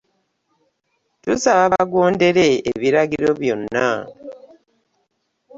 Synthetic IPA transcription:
tusaβaβaɡo̞ːnde̞ɾe̞̰ːβiɾaɡiɾo̞βjo̞̰nːa

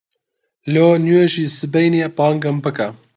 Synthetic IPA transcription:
lonjueʒiːsɨbejnepɑːŋɡəmbəka

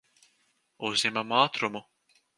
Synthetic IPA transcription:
uzʲɲɛmamaːt̪ɾumu

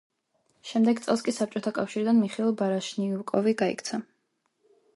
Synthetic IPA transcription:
ʃɛmd̪ɛɡt̪sʼɛlˠskʼisap̚t͡ʃʼɔt̪ʰakʼafʃiɾid̪anmiχilˠbaɾaʃniukʼɔviɡaḭkʰt̪sʰa

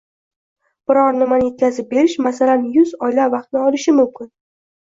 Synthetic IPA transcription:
b̥ɪɾɒɾnɪmanɪet̪̚kʲʰazɪp̚be̞ɾɪʃmasalanjʊzɒjlavɑqt̪nɪɒlɪʃɪmʊmkʲʰɪn

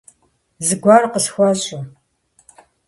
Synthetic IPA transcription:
zɨɡʷɑːrqəsxʷaɕʼʊ

